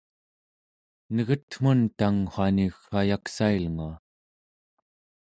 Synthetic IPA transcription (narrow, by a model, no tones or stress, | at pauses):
nəɣət̪m̥unt̪aŋχaniɣajaksailŋua